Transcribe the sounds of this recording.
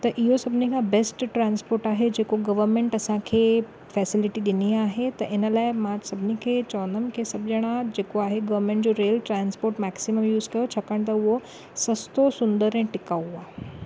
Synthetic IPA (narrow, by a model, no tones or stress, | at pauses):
t̪ɐɾʔijosɐbnikʰãbesʈʈɾãnspoːɾʈaːɦed͡ʑekoɡɐʋəɾmẽɳʈɐsãkʰe | fɛsiliʈid̪iniaɦet̪ɐʔenalaemaːd͡ʒsɐbnikʰet͡ʃɔːnəmkʰesɐbd͡ʑəɽ̃ãd͡ʑekoaːɦeɡɐʋəɾmẽɳʈd͡ʑoɾelʈɾanspoːɾʈmɛksiməmjuːzkɐjot͡ʃʰɐkəɳt̪̬ɐʋo | sɐst̪osʊnd̪əɾẽʈɪkauʋa